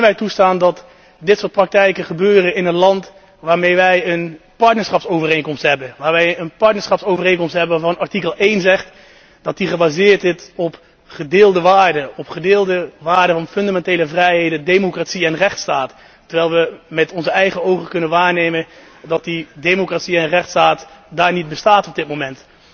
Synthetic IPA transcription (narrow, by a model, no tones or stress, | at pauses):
nʋɛjtustaːndɑt | dɪtsʊːɹt̚prɑk̚tɛjkəχəbøːrənɪnənlɑnt | ʋaːɹmejʋɛjən | pɑɹtnəɹsχɑpsowvərejnkɔmstɦɛbəʋaːɹʋɛjənpɑɹtnəɹsχɑpsowvərejnkɔmstɦɛbəvɑnɑɹtikəlˠʔejnzɛχt | d̥ɑt̚diχəbaːzɪːɹtɪtɔp | χədɪːlˠdəʋaːɹdəɔpχədɪːlˠdəʋaːɹdəvɑnfɵndamɛnteːləvrɛjɦejdəndejmokratsiɛnrɛχtstaːt | tːəɹʋɛjlˠʋəmɛtɔnzəɛjχəowχəkɵnənʋaːɹnejmən | dɑt̚didejmokratsiɛnrɛχtstaːtdaːɹnid̚bəstaːtɔb̚dɪt̚momɛnt